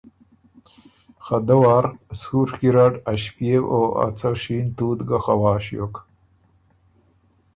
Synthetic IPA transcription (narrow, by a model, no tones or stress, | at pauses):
xad̪ɐwaːɾsuɾkiɾaɖaɕpijewʔoa̰t͡saɕiːnt̪uːd̪ɡaxawaːɕjo̰k